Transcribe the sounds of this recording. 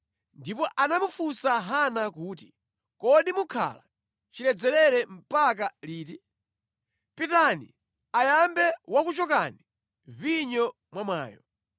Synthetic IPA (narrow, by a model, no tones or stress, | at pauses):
ndipɔʔanamufusaɦanakuːt̬i | kɔɗimukʰa̰la | t͡ʃilɛd͡zɛlɛɾɛm̩pak̬aliːti | pitanḭ | ajambɛwakut͡ʃɔkani | viɲɔ | mwamaːjɔ̰